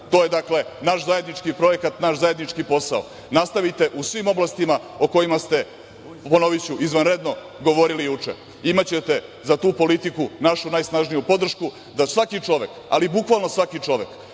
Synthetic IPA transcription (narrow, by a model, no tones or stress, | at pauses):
t̪o̞je̞d̪akle̞naʃzaje̞d̪nit͡ʃkipɾo̞je̞kat̪naʃzaje̞d̪nit͡ʃkipo̞sao̰ | nast̪aʋit̪e̞ʔusʋimo̞blˠast̪ima | oko̞jimast̪e̞ | po̞noʋit͡ɕuʔizʋanɾed̪no̞ | ɡo̞ʋo̞ɾilijut͡ʂḛ | imat͡ɕe̞t̪e̞zat̪uːpo̞lit̪ikunaʃunajsnaʒnijupo̞d̪r̩ʃku | d̪asʋakit͡ʂo̞ʋeka̰libukʋalˠnosʋakit͡ʂo̞ʋe̞k